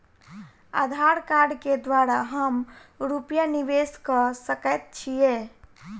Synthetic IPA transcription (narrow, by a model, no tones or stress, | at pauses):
a̰d̪ʱaɾkaɾɖked̪waɾaɦəmɾupjaniʋeskəsəkət̪̚t͡ʃʰije